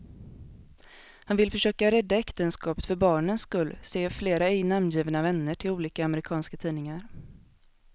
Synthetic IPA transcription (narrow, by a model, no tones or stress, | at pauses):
hanvɪlfœʂøːkaɾɛd̪ːaɛkt̪ənskɑːpə̥t̪fœɾbɑːɳənsːkɵlːseːfleːɾaɛɡnamnjiːvnavɛnːəʈʰɪluːliːkaːməɾɪkʰɑːnskat̪ʰiːnɪŋaɾ